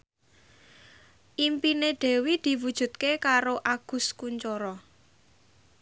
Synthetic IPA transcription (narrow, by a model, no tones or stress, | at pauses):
ʔimpineɖ̥ɛ̤wid̪̥i̤wud̥ʒ̥ṳt̪̚kekaɾoʔaɡ̥ʊ̤skuɲt͡ʃɔɾɔ